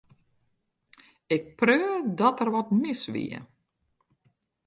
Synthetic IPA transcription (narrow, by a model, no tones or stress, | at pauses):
ɪk̚prøːdɔtərʋɔtmɪsʋḭə̰